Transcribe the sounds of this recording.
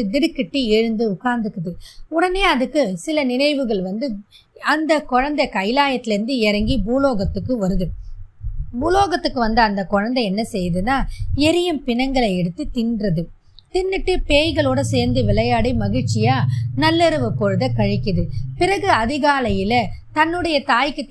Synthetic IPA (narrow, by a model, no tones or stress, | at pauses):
ɯd̪ɪɽɯkːɪʈːɯeɻɯnd̪ɯʊkːaːnd̪ɯkːɯðɯʊɽɐneːɐðɯkːɯsɪlɐnɪnɐɪʋɯɣɐɭʋɐnd̪ɯ | ɐnd̪ɐkɔɻɐnd̪ɐkɐɪlaːjɐt̪ːɪlɪɾɯnd̪ɯɛɾɐŋɡibuːloːɣɐt̪ːɯkːɯʋɐɾɯðɯ | buːloːɣɐt̪ːɯkːɯʋɐnd̪ɯɐnd̪ɐkɔɻɐnd̪ɐɛnːɐsɛjːðɯnːaːɛɾɪjɯmpɪnɐŋɡɐɭɐɛɽɯt̪ːɯt̪ɪndrɐðɯ | t̪ɪnːɯʈːɯpeːjɣɐɭoːɽɐseːɾnd̪ɯʋɪɭɐjaːɽimɐɣɪɻt͡ʃɪjaːnɐlːɛɾɯʋɯpːɔɻɯðɐkɐɻɪkːɪðɯpɪɾɐɣɯɐðɪɣaːlɐjɪlɐt̪ɐnːɯɽɐjɐt̪aːjkːɯ